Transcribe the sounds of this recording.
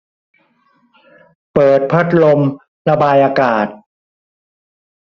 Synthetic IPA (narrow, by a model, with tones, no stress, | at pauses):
pɤː˨˩t̪̚pʰa˦˥t̪̚lo˧m | ɾa˧baː˧jʔaː˧kaː˨˩t̪̚